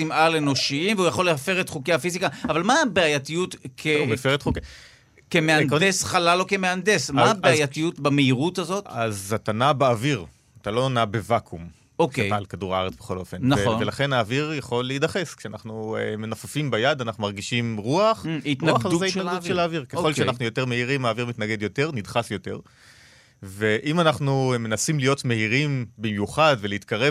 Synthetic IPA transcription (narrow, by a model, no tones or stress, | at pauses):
simʔaleno̞ʃiimveujaχo̞leafe̞ʁet̪χukehafizikaːvalmabeajatijutkʰemefeet̪χuke | kemeanddesχalalo̞keme̞andesmabeajjatijutbameiʁutazo̞t̪azat̪anabeːviʁ | at̪alo̞nabevakʰum | oalkaduʁaaʁet͡sbeχo̞lo̞fe̞nːvelaχe̞naːviʁjaχo̞lːeidaχe̞skʃeanaχnuemenafafimbajadanaχnumaʁɡiʃimʁuaχitaχzaitt̪naɡɡadutʃelaːviʁkeo̞lʃeanaχnujo̞teʁmeiʁimaːviʁmit̪naɡe̞d̪jo̞te̞ʁnidχasjo̞te̞̰ʁ | ve̞ʔimanaχnume̞nasimlijotme̞iʁimbimjuχadveleit̪kaʁe